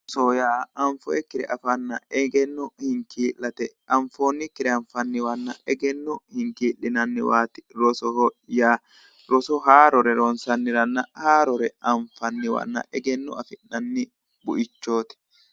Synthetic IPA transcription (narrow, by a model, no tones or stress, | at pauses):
soːjaːɐɱfɔɛkːɪɾɛ̰ʔɐfɐnːɐɛɡɛnːɔhɪŋkiːlːɐt̪ɛɐɱfoːnːɪkːɪɾɛɐɱfɐnːɪwɐnːɐ̰ɛɡɛnːɔhɪŋkiːlːɪnɐnːɪwaːt̪ɪ̥ɾɔsɔhɔjaː | ɾɔsɔɦaːɾɔɾɛɾɔnsɐnːɪɾɐnːɐhaːɾɔɾɛɐɱfɐnːɪwɐ̰nːɐ̰ʔɛɡɛnːɔɐfɪnːɐnːɪ | bʊʔɪt͡ʃːoːt̪ɛ̥